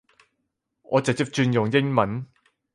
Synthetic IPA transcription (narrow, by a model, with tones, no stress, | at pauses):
ŋɔː˨˧t͡sɐ˨k̚t͡si˨˥p̚t͡ʃyː˧njʊ˨ŋjɪ˥ŋmɐ˨˥n